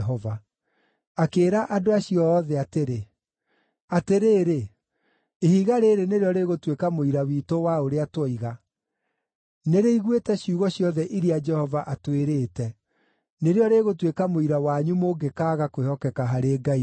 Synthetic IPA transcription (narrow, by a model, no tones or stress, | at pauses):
ɦɔva | akeːɾaʔadoaɕiɔːðɛateɾe | ateɾeːɾe | ehiɣaɾeːɾeneɾeɔɾeːɣotwekamoiɾawiːtowaoɾeatwɔiɣa | neɾeiɣwetɛɕiuɣɔɕjɔðɛʔiɾiad͡ʒɛhɔvaʔatweɾeːtɛ | neɾeɔɾeːɣotwekamoiɾawaɲumoɡekaːɣakoehɔkɛkaɦaɾeːɡai